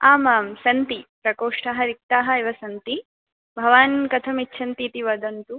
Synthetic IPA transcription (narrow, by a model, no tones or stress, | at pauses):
aːmaːmsɐnt̪ipɾɐkoːʂʈaːɦɐɾik̚t̪aːɦɐiʋɐsɐnt̪i | bʱɐʋaːnkɐt̪ʰɐmitːʃʰɐnt̪it̪iʋɐd̪ɐnt̪u